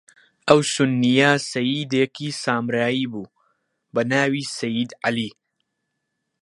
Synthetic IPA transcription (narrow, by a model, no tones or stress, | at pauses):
ʔɐwsʊnːijɐsɐjiːd̪ekiːsaːmɾaːiːbuː | bɐnaːwiːsɐjid̪ʕaliː